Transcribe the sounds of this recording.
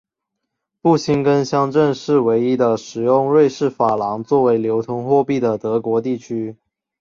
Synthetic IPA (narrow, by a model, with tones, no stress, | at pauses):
pu˥˩ɕi˥nkə˥nɕjɑ˥ŋʈ͡ʂə˥˧nʂɻ̩˥˩we˧˥ɪi˥d̪ə˨ʂɻ̩˨˩jʊ˥˧ŋɻwe˥˧ɪʂɻ̩˥˩fa˨˩lɑ˧˥ŋt͡swɔ˥˩we˧˥ɪljo˧˥ʊt̪ʰʊ˧˥ŋxwɔ˥˧pi˥˩d̪ə˩t̪ɤ˧˥kwɔ˧˥t̪̬i˥˩t͡ɕʰy˥